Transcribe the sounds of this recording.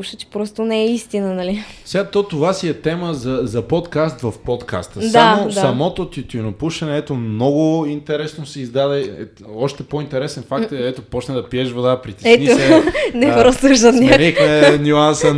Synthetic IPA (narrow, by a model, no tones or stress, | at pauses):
uʃət͡ʃɛ̥pɾɔst̪onɛɛist̪inənɐlisɛɡat̪ɔt̪ovasiɛt̪ɛməzɐzɐpɔt̪kast̪vɐfpot̪kʰa̰st̪əd̪amod̪saɐmɔt̪ot̪it̪ʲunopuʃɛnɛɛt̪omnɔɡʊint̪ɛɾɛsnosɛizd̪ad̪ɛɛ | ɔʃt̪ɛpoint̪ɛɾɛsɛnfakkt̪ɛɛt̪opɔt͡ʃnɛd̪ɐpiɛʒvod̪apɾit̪ɛɛnionɛpɾɔst̪uʃɐt̪nʲaixmɛnʲuansə